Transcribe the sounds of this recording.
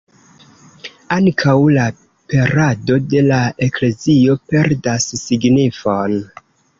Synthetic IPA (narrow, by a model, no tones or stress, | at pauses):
aŋkʰawla | peɾado̞de̞lae̞kle̞zio̞pe̞ɾdasːiɡnifon